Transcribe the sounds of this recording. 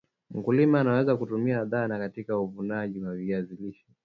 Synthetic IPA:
m̩kulimaːnawɛzakutumiaðanakatikauvunaʄiwaviaziliʃɔ̥

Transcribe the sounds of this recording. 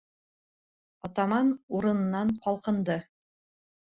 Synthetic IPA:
ɒt̪ɑmɑnuɾɤ̆nɤ̆nːɑnqɒlˠqɤ̆nd̪ɤ

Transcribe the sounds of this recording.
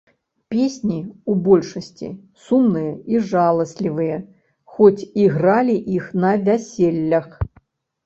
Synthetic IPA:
pʲesʲnʲiubɔlʲʂɐsʲt͡sʲḭ | sumnɨjɐiʐalˠɐsʲlʲivɨjɐ | xɔt͡sʲiɣɾalʲiʔixnɐvʲasʲelʲːɐx

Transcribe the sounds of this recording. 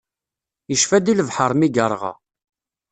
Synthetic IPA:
jəʃfæd̪iləvħəɾˤmiɡəɾˤʁɑ̰

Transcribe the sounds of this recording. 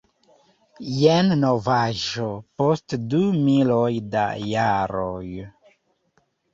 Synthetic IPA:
jennovaʒopostdumilojda̰jaɾoj

